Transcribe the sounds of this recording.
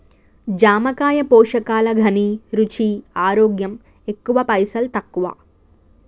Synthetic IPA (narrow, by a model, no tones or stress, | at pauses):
d͡ʒaːmɐkaːjɐpɔːʂɐkaːlɐɡʱɐniɾut͡ʃiaːɾoːɡjɐm | e̞kːuʋɐpɐjsɐlt̪ɐkːuʋɐa̰